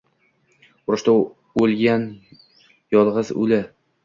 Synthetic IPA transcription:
ʊɾɪ̆ʃt̪a | ɵlɡʲan | jɒlˠʁɤzʉ̰lɪ

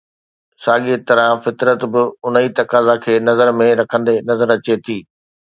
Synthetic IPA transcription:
saːɠit̪ɐɾə̃fɪt̪ɾət̪bɪʊn̤əit̪ɐkaːzakʰeːnɐzəɾmẽɾɐkʰə̃nd̪enɐzəɾɐt͡ɕet̪ʰiː

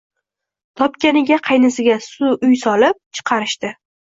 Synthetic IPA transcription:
t̪ʰɒpkʲanɪɡʲaqʰɑjnɪsɪɡʲasʊʔʊjsɒlɪp̚t͡ʃʰɨ̥qʰɑɾɪʃt̪ɪ

